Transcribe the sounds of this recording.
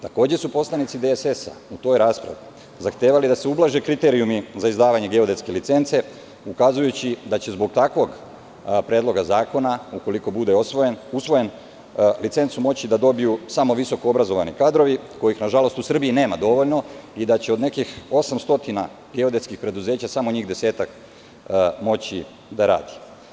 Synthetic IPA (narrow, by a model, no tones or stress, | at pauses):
t̪ako̞ːd͡ʑesupo̞slˠanit̪id̪esesa̰ut̪o̞ːjɾaːspɾa̰ʋi | zaxt̪e̞ːʋalid̪ase̞ublˠaʒe̞kɾit̪e̞ɾiumizaizd̪aːʋaɲe̞ɡeo̞d̪e̞t̪ske̞lit̪se̞nt̪se̞ | ukazujut͡ɕid̪at͡ɕe̞zbo̞ɡ̚t̪akʋo̞ɡ | pɾe̞ːd̪lˠo̞ɡazaːko̞nauko̞liko̞bud̪e̞o̞sʋo̞je̞nusʋo̞je̞n | lit̪se̞nt̪sumo̞t͡ɕid̪ad̪o̞bijusamo̞ʋiso̞koobɾazo̞ʋanikaːd̪ɾo̞ʋiko̞jixnaʒalo̞st̪usr̩biine̞ːmad̪o̞ʋo̞ʎno̞id̪at͡ɕe̞o̞d̪ne̞kixo̞samst̪o̞t̪ina̰ | ɡe̞od̪etskixpɾe̞d̪uze̞ːt͡ɕasamo̞ɲiːxd̪e̞se̞ːt̪ak | mo̞t͡ɕi | d̪aɾa̰ːd̪i̥